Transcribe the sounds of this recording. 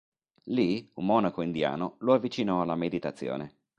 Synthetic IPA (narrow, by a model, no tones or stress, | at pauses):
liumːɔnakoind̪ja̰ːnoloavːit͡ʃinɔalːamed̪it̪at̪sːjo̰ːne